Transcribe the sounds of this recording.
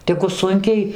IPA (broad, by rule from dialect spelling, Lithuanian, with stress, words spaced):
ˈtʲæːɡʊ ˈsʊŋʲkʲɛɪ